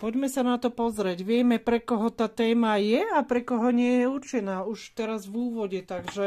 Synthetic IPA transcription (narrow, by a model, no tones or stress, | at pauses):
pɔɟmɛsanat̪ɔpɔzɾɛɟʋɪɛmɛpɾɛkɔɦɔt̪aːt̪ɛːmajɛapɾɛkɔɦɔɲɪɛjɛuɾt͡ʃɛnaːuʃt̪ɛɾazvuːʋɔɟɛt̪aɡʒɛ